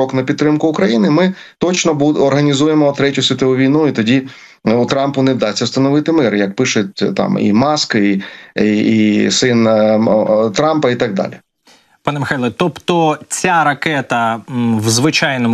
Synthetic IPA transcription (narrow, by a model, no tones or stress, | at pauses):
ɔknɐpʲid̪̚t̪ːɾɪmkʊʊkɾɐjinɪmɪ | t̪ɔt͡ʃnɔbuɔrɦɐnʲizujemɔt̪ɾɛtʲʊsʲɪt̪oʊʋʲijnuit̪ɔdʲi | ut̪ɾɑmpʊnɛwd̪ɑsʲːɐwst̪ɐnɔʋɪt̪ɪmɪɾjɐk̚pɪʃʊt̚ʲt̪ɑ̰mḭmɑskɐiiisɪn | t̪ɾɑmpɐit̪ɑɡ̚d̪ɑ̰lʲi | pɑnemɪxajlˠɐt̪ɔpt̪ɔt͡sʲaɾɐkɛt̪ɐwzʋɪt͡ʃɑjnɔm